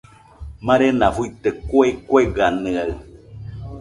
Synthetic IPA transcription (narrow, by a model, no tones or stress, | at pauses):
mãɾenafuit̪ekuekweɡanɨaɯ